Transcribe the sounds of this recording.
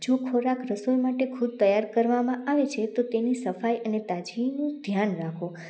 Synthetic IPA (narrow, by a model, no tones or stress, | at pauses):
d͡ʒokʰoɾakɾəsulmaʈekʰud̪̚t̪əjaɾkəɾʋamãʔaʋet͡ʃʰet̪ot̪enisəfajʔənet̪ad͡ʒinũd̪ʱjanɾakʰõ